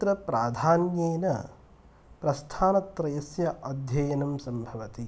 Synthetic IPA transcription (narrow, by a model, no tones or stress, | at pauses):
ɾɐpɾaːd̪ʱaːnjeːnɐ | pɾɐst̪ʰaːnɐt̪ɾɐjɐsjɐʔɐd̪ʱjɐjɐnɐmsɐmbʱɐʋɐt̪i